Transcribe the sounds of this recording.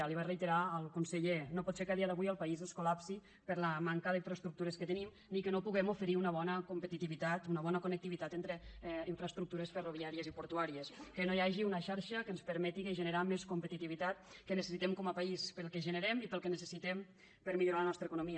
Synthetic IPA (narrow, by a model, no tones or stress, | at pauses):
aliβarəjt̪eɾaəlˠkunsəʎenopɔt̪sekəaðiəðəβujəlˠpaizənskulapsi | pəɾləmaŋkəðiɱfɾəst̪ɾukt̪uɾəskət̪ənim | nikənopuɣɛmufəɾiunəβɔnəkumpət̪it̪iβit̪at̪unəβɔnəkunək̚t̪iβit̪at̪ent̪ɾəiɱfɾəst̪ɾuk̚t̪uɾəsfəruβ̞iaɾiəzipuɾt̪uaɾiəskənojaʒiunəʃaɾʃəkənspəɾmɛt̪iɣəʒənəɾameskumpət̪it̪iβit̪at̪kənəsəsit̪ɛmkɔməpaispəlˠkeʒənəɾɛmipəlˠkənəsəsit̪ɛm | pəɾmiʎuɾalənɔst̪ɾəkunumiə